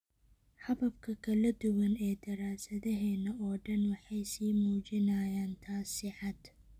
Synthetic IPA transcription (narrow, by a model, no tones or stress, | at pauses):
ħɑβɐb̚kʰɐkʰɐlɐd̪ʊwɐnɛːd̪ɐɾaːsɐðɐɦɛːnɐʔɔːɖɐnwɑħɑjsiːmuːt͡ʃɪnajaːnt̪ʰaːsɪʕɑd̪